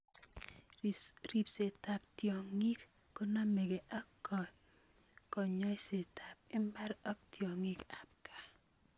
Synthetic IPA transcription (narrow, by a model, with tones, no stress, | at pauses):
iɾi˨pse˨ta˨p̚tjɔ˨ŋi˦kː | ɔ˦na˦mɛ˨ke˨ʔa˦kːɔ˨ | kɔ˨ɲɔ˦jse˨tʰa˨p̚ɪ˦mba˦ɾɔ˦ktjɔ˨ŋi˦ka˨p̚ka˨